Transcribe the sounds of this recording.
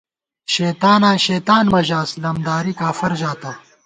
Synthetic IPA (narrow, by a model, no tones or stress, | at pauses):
ʃeːt̪aːnãːɕeːt̪aːnmɐʑaːslɐmd̪aːɾikaːfɐɾʑaːt̪ɐ